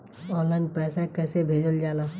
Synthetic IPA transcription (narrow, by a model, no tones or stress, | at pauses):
ɔːlãn̚pɛːsakɛːsebʱeːd͡ʒəld͡ʒaːlaː